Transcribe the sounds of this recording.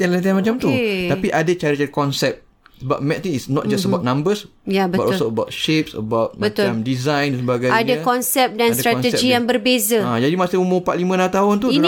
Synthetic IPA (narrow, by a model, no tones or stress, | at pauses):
t̪anlat̪̬anmat͡ʃamt̪uapiʔadət͡ʃaɾit͡ʃaɾikɔnsɛp̚ | bat̪̚mɛ̃t̪iŋisnɔ̰t̚d͡ʒasəbat̚nãmbəsjabəbatɔlsoəbawt̪̚ʃep̚sə̰bawt̪̚mbət̪ʊlãmdizãj̃ndansəbaɡajadakɔnsɛp̚dansdt̪ɾaɔnt̪əɛd͡ʒijaŋbərbezəãd͡ʒadimasiməmũpat̪̚limə̃nat̪aɦʊnt̪̬uin